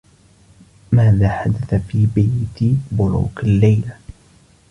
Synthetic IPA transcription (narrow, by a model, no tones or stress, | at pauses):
maːðaːħad̪aθafiːbajt̪bʊɾṵːkalːajla